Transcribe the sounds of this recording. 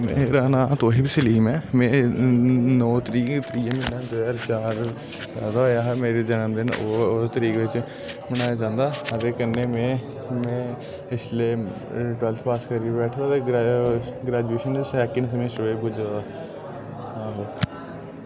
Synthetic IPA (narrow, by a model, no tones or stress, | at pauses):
mḛ̃ːɾaːnaːt̪oːɦiːbisəliːmɛ̃ːmɛ̃ː | nɔːt̪əɾiːkt̪əɾiːminaːd̪ojaːɾt͡ʃaːɾ | zaːd̪ajaːɦmeːɾed͡ʒənəmd̪ɪnoːt̪əɾiːkʋɪt͡ʃ | bəñaːjaːd͡ʒãːnd̪aːət̪eːkənːeːmẽː | mɛ̃ː | ɪsleː | ʈwɛlt̪ʰpaːskəɾibɛːʈʰd̪aːt̪eː | ɡɾɛːd͡ʒueːʃənsɛːkɪnsəmẽːsəʋeːbʊd͡ʒaa | ãːɦoː